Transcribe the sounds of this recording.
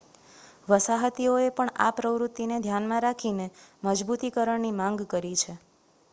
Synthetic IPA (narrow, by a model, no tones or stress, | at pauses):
ʋəsaɦət̪ioepəɳa̰pɾəʋɾut̪ːined̪ʱjanmãɾakʰineməd͡ʒbut̪ikəɾəɳnimãŋɡkəɾit͡ʃʰe